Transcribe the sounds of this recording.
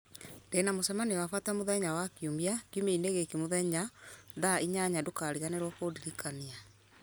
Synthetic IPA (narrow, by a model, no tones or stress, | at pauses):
ndenamosɛmanewafatamoðɛɲawakiumbiakjumeineɣekemoðɛɲaðaiɲaɲadokaɾiɣaneɾwɔkodiɾikania